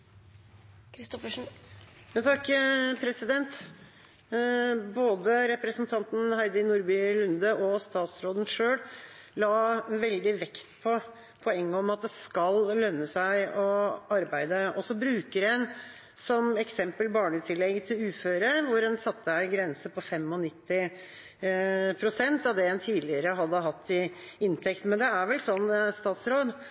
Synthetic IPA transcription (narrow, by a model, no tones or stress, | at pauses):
kʰɾɪst̪ɔfəʂn̩ | jɑt̪ʰɑkːpʰɾɛsɪd̪ɛnt̪ | boːd̪əɾɛpɾəsnt̪ʰɑnt̪n̩hæɪd̪əɪnuɾbʏlʉnd̪əʔɔst̪ɑːt̪sɾoːd̪ən̩ʂøːɽlɑːʋɛld̪ɪʋɛkt̪pʰɔ | pʰɔɛŋːəɔmɑt̪̚d̪ɛskɑllœnːəsæɪɔɑɾbæɪd̪əɔsɔbɾʉːkəɾɛn | sɔmɛksɛmpəlbɑːɳət̪ʰɪlːɛɡt̪ʰɪlʉːføːɾəʋʊɾɛnsɑt̪ːəæɪɡɾɛnsəpɔfɛmɔnɪt̪ːɪ | pʰɾʊsɛnt̪ɑʋd̪ɛɛnt̪ʰiːd̪lɪəɾəɦɑd̪ːəɦɑt̪ːɪɪnt̪ʰɛkt̪mɛnd̪ɛæɾʋɛlsɔnːst̪ɑːt̪sɾoːd̪